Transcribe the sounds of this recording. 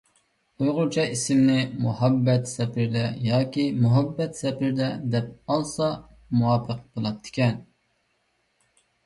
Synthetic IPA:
ujʁʊt͡ʃʰɑʔisɪmnɪmuhɑbːɛt̪sɛpʰɪɾd̪ɛjɑːkʲimuɦɛbːɛt̪sɛpʰɪɾd̪ɛd̪ɛp̚ɑlˠsɑ | muwɑːpʰəq̚bolˠɑtt̪ʰːɪ̥kʲɛn

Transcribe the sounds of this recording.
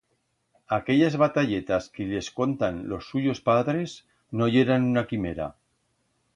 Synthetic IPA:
akeʎazβat̪aʎet̪askeʎeskont̪anlosːuʎospaðɾez | noʎeɾanunakimeɾa̰

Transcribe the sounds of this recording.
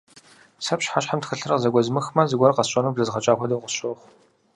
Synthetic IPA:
sɐpʃħaʃħamtxɨɬɨrɐqzɐɡʷɐzmɨxmɐzɨɡʷɐrqɐsɕʼɐnubɮɐzʁɐt͡ʃʼaːxʷɔdowqʷʊsɕʼoːχʷ

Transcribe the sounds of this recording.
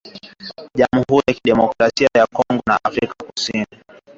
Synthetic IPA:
ʄamuhuɾijakiɗɛmɔkɾasiajakɔŋɡɔna̰ʔafɾikakusini

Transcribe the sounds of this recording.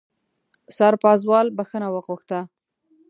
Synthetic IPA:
sɑɾpɑzwɑlbaxənawəɣuxt̪a

